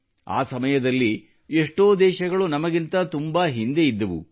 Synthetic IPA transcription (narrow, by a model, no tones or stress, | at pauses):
a̰ːsɐmɐjɐd̪ɐlːi | eʂʈoːd̪ɛːʃɐɡɐɭunɐmɐɡint̪ɐt̪umbaɦind̪e̞id̪ːɐʋṵ